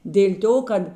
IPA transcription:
dʲeːlʲ ˈtoː ˈkɐt

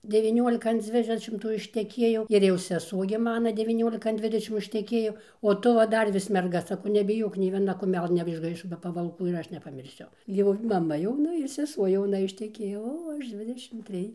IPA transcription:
dʲɛʋʲɪˈnʲuɔlʲɪkɐ ɐn ˈd͡zʲʋʲɪdʲɛʃʲɪmtuː ɪʃʲtʲɛˈkʲiɛjɛʊ ɪr jɛʊ sʲɛˈsuɔ ɡʲɪ ˈmɑːnɐ dʲɛʋʲiːˈnʲoːlʲɪkɐ ɐn ˈdʲʋʲɪdʲɛʃʲɪm ɪʃʲtʲɛˈkʲeːjoː oː ˈtʊ ʋɐ ˈdɐr ʋʲɪs mʲɛrˈɡɐ sɐˈkɐʊ nʲɛbʲɪˈjoːk nʲɛɪ ʋʲiɛˈnɐ kʊˈmʲæːlˠɘ nʲɛɪʒˈɡɐɪʃoː bʲɛ pɐʋɐlˠˈkuː ɪr ˈɐʃ nʲɛpɐmʲɪrʲˈsʲʊ ˈjɛʊ ɪr mɐˈmɐ jɛʊˈnɐ ɪr sʲɛˈsuɔ jɛʊˈnɐ ɪʃʲtʲɛˈkʲeːjoː ˈoː ˈɐʃ ˈd͡zʲʋʲɪdʲɛʃʲɪm ˈtʲrʲɪj

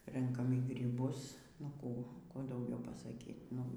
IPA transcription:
ˈrʲɛŋkɐm iː ɡrʲiːˈbʊs nʊ ˈkuː ˈkuː dɐʊˈɡʲɛʊ pɐsɐˈkʲiː nʊ

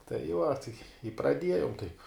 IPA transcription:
tɐɪ ˈʋɐ tɐɪ ɪ prɐˈdʲiɛjoːm tɐɪp

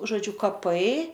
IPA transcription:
ʒoːˈd͡ʒʲʊ kɐˈpɐɪ

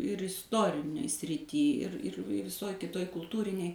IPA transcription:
ɪr ɪsˈtoːrʲɪnʲeːj sʲrʲɪˈtʲiː ɪr ɪr ɪ ʋʲɪˈsoːj kʲɪˈtoːj kʊlˠˈtuːrʲɪnʲeːj

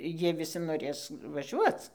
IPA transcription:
ˈjiɛ ʋʲɪˈsʲɪ noːˈrʲeːs ʋɐˈʒʲuɔt͡s

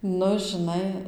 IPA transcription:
ˈnʊ ʒʲɪˈnɐɪ

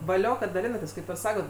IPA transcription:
ʋɐˈlʲoː kɐt dɐˈlʲɪnɐtʲeːs ˈkɐɪp ɪr ˈsɑːkoːt

